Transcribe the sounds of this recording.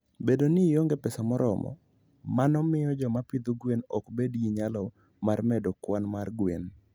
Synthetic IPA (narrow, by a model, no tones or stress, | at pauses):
bedonɪjoŋɡɛpɛsamɔɾɔmɔ̰ | manɔmɪjɔd͡ʒɔmapɪd̪oɡwenɔkbediɲalɔ | marmɛdokwanmarɡwen